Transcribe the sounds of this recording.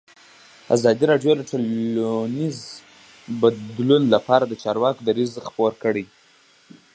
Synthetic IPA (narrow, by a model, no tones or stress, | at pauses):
a̰zɑd̪iɾɑɖjod̪əʈoluniz | bad̪lunlapɑɾad̪ət͡ʃɑɾwɑkod̪aɾizxpoɾkəɽij